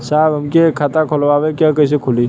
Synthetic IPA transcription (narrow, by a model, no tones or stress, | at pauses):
saːbɦɐmkekʰat̪akʰolʋaːʋekjakɐjs̬ekʰʊli